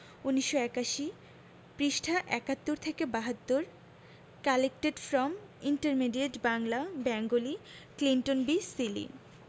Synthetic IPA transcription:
uniʃːoɛkaʃi | pɾiʃʈʰaʔɛkat̪ːoɾt̪ʰekebaɦat̪ːoɾ | kalek̚ʈeɖfɾɔm | iɳʈeɾmiɖieʈbaŋlabɛŋɡoliklinʈonbisilḭ

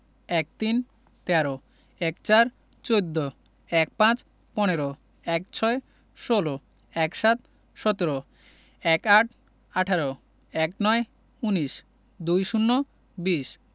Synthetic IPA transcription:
ɛk̚t̪in | t̪ɛaɾo | ɛkt͡ɕaɾ | t͡ɕowd̪ːo | ɛk̚pãt͡ɕ | pɔneɾo | ɛkt͡ɕʰɔe | ʃolo | ɛkʃat̪̚ | ʃɔt̪oɾo | ɛkaʈʰ | aʈʰaɾo | ɛknɔe | uniʃ | d̪ujʃunːo | biʃ

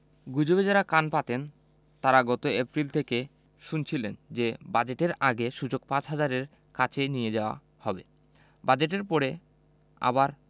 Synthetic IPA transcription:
ɡud͡ʑobed͡ʑaɾakanpat̪en | t̪aɾaɡɔt̪oepɾilt̪ʰeke | ʃunt͡ɕʰilend͡ʑebad͡ʑeʈeɾaɡeʃud͡ʑoɡ̚pãt͡ɕɦad͡ʑaɾeɾ | kat͡ɕʰenijed͡ʑaoa̰ | hɔbe | bad͡ʑeʈ̬eɾpɔɾe | a̰baɾ

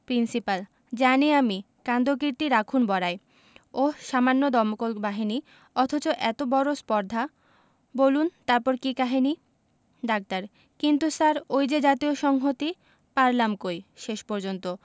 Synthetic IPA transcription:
pɾinsipal | d͡ʑaniami | kand̪okɾiɾt̪iɾakʰunbɔɾae | oʃamanːod̪ɔɾmokolbaɦini | ɔt̪ʰot͡ɕoʔɛt̪obɔɾospɔɾd̪ʱa | bolunt̪aɾpɔɾkikaɦini | ɖak̚t̪aɾ | kint̪usaɾojd͡ʑed͡ʑat̪ioʃɔŋɦot̪i | paɾlamkojʃeʃpɔɾd͡ʑont̪o

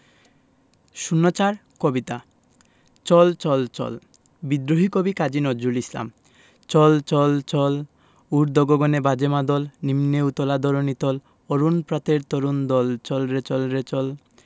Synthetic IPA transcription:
ʃunːot͡ɕaɾkobit̪a | t͡ɕɔlt͡ɕɔlt͡ɕɔ̰l | bid̪ɾoɦikobikad͡ʑinɔd͡ʑulisla̰m | t͡ɕɔlt͡ɕɔlt͡ɕɔl | uɾd̪ɔɡoɡɔnebad͡ʑemad̪ɔlnimneut̪ɔlad̪ɔɾonit̪ɔl | ɔɾunpɾat̪eɾt̪ɔɾund̪ɔlt͡ɕɔlɾet͡ɕɔlɾet͡ɕɔl

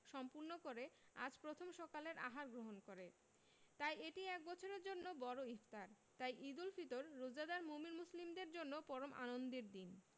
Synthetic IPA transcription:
ʃɔmpuɾnokoɾea̰d͡ʑpɾot̪ʰomʃɔkaleɾʔa̰ɦaɾɡɾoɦonkoɾe | t̪ajeʈiɛk̚bɔt͡ɕʰoɾeɾd͡ʑonːobɔɾoift̪aɾ | t̪ajʔid̪ulfit̪oɾːod͡ʑad̪aɾmuminmuslimd̪eɾd͡ʑonːopɔɾomʔa̰nond̪iɾd̪in

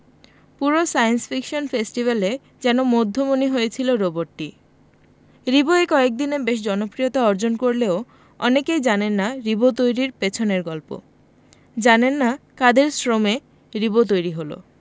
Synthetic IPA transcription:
puɾosajensfʰikʃonfesʈibale | d͡ʑɛnomod̪ʱːomoniɦojet͡ɕʰiloɾoboɾʈːi | ɾiboekɔek̚d̪inebeʃ̬d͡ʑɔnopɾijot̪aɔɾd͡ʑonkoɾleo | ɔ̰nekejd͡ʑanenːaɾibot̪ojɾiɾpet͡ɕʰoneɾɡɔlpo̰ | d͡ʑanenːakad̪eɾsɾome | ɾibot̪̬ojɾiɦolo̰

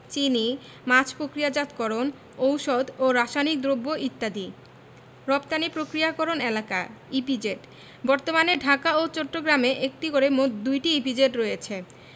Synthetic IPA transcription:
t͡ɕini | mat͡ɕʰpɾokɾijad͡ʑat̪kɔɾon | owʃod̪oɾaʃanik̚d̪ɾobːoʔit̪ːad̪i | ɾɔpt̪anipɾokɾijakɔɾonelaka̰ipid͡ʑeʈ | bɔɾt̪omaneɖʱakaot͡ɕɔʈːoɡɾameʔek̚ʈikoɾemot̪d̪ujʈiipid͡ʑeʈɾojet͡ɕʰe

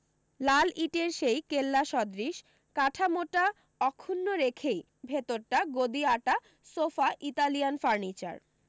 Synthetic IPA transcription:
laliʈeɾʃejkelːaʃɔd̪ɾiʃ | kaʈʰamoʈa | ɔkʰːunːoɾekʰej | bʱet̪oɾʈaɡod̪iaʈa | sofaʔit̪alijanfaɾnit͡ɕa̰ɾ

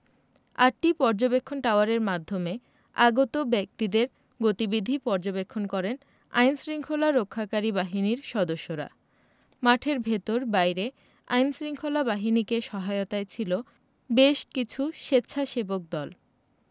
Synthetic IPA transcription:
aʈ̚ʈipɔɾd͡ʑobekʰːonʈawaɾeɾmad̪ʱːome | a̰ɡot̪obɛk̚t̪id̪eɾ | ɡot̪ibid̪ʱipɔɾd͡ʑobekʰːonkɔɾen | a̰jnsɾiŋkʰolaɾokʰːakaɾibaɦiniɾʃɔd̪oʃːoɾa̰ | maʈʰeɾbʱet̪oɾbajɾe | a̰jnsɾiŋkʰolabaɦinikeʃɔɦaot̪aet͡ɕʰilo | beʃkit͡ɕʰuʃetːɕʰaʃebok̚d̪ɔl

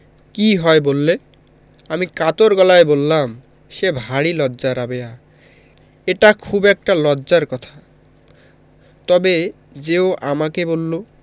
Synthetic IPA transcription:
kiɦɔebolːe | amikat̪oɾɡɔlaebolːam | ʃebʱaɽilɔdːd͡ʑaɾabeja | eʈakʰubɛk̚ʈalɔdːd͡ʑaɾkɔt̪ʰḁ | t̪ɔbe | d͡ʑeoʔamakebolːo

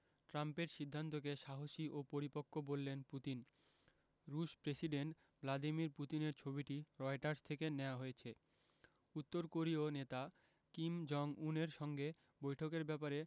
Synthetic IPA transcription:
ʈɾampeɾʃid̪ʱːant̪̬ok̬eʃaɦoʃiʔopoɾipokʰːobolːenput̪in | ɾuʃpɾesiɖeɳʈ | blad̪imiɾput̪ineɾt͡ɕʰobiʈiɾɔeʈaɾst̪ʰekeneoaɦojet͡ɕʰe | ut̪ːoɾkoɾionet̪a | kimd͡ʑɔŋuneɾʃɔŋɡe | bojʈʰokeɾbɛpaɾe

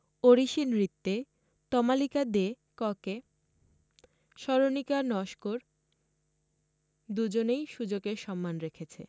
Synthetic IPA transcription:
oɾiʃinɾit̪ːe | t̪ɔmalikad̪e | kɔke | ʃɔɾonikanɔʃkoɾ | d̪ud͡ʑonejʃud͡ʑoɡeɾʃɔmːanɾekʰet͡ɕʰḛ

